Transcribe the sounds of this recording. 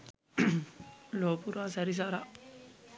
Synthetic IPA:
loːpuɾaːsɐɾis̬aɾa

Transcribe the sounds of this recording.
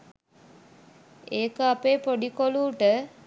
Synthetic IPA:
eːkəapeːpoɖikoluːʈə

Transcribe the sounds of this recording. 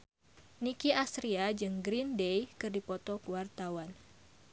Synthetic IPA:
nikiʔast̪ɾiad͡ʒɨŋɡɾindejkɨrdipɔt̪ɔkəwart̪awan

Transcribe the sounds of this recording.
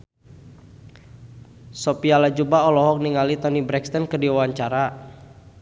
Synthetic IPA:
sɔpialad͡ʒubaɔlɔɦɔk̚niŋalit̪ɔnibɾɛkst̪ɔnkədiawaɲt͡ʃaɾa

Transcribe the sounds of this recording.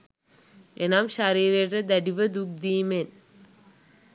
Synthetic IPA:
enaːmʃaɾiːɾerɐd̪ɐɖiʋɐd̪uk̚d̪iːmen

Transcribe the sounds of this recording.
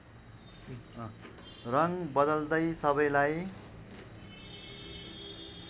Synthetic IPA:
ʌ | rʌŋbʌd̪ʌld̪ʌjsʌbʌjlaj

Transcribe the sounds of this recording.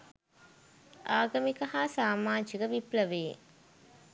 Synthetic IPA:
aːɡɐmikɐɦaːsaːmaːɲd͡ʒiɡəʋipləʋḛː

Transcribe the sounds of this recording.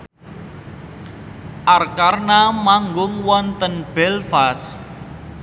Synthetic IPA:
ʔarkarnamaŋɡʊŋwɔnt̪ənb̥ɛlfas

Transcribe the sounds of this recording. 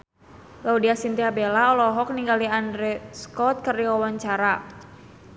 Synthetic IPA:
laudiasint̪iabelaɔlɔɦɔk̚niŋɡaliandɾɛskɔt̪̚kəriwawaɲt͡ʃaɾa

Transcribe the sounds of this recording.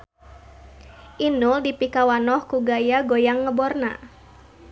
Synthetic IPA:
ʔinuldipikawanɔhkuɡajaɡojaŋːəbɔrna̰

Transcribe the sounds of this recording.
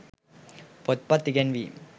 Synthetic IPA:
pɔt̪̚pat̪iɡɛnwi

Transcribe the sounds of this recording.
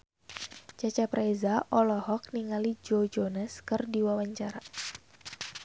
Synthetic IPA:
t͡ʃat͡ʃapɾajzaʔɔlɔhɔk̚niŋalid͡ʒod͡ʒonaskɨrdiwawaɲt͡ʃaɾa

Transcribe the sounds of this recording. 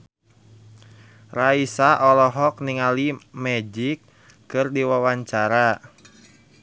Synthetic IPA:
raisaʔɔlɔɦɔk̚niŋalimɛd͡ʒikː | ɨrdiwawaɲt͡ʃaɾa

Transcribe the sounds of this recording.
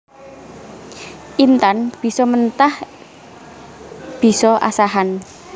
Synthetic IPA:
ʔint̪anb̥i̤sɔmənt̪ah | b̥i̤sɔʔa̰saɦan

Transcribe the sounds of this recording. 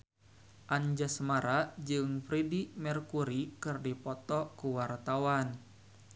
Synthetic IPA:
ʔaɲd͡ʒasmaɾad͡ʒɨŋfɾidimɛrkuɾikɨrdipɔt̪ɔkuwart̪awan

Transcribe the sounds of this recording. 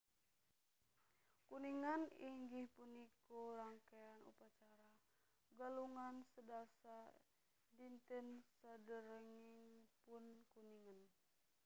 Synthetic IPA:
kuniŋaniŋɡihpunikoɾaŋkeanṵpat͡ʃaɾa | ɡaluŋansədasa | dint̪ənsadəɾəŋiŋpunkuniŋən

